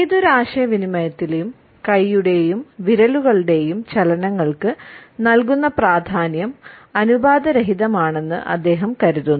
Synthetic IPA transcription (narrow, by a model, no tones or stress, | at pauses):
id̪uɾaːʂɐjɐʋinimɐjɐt̪ːilejum | kɐjːuɽe̞jumʋiɾɐluɣɐɭuɽe̞jumt͡ɕɐlɐnɐŋːɐɭkɨnɐlk̬unːɐpraːd̪ʱaːnjɐmɐnubaːd̪ɐɾɐɦiðɐmaːɳe̞nːɨ̰ʔɐ̰d̪ːe̞ːɦɐmkɐɾuðunːu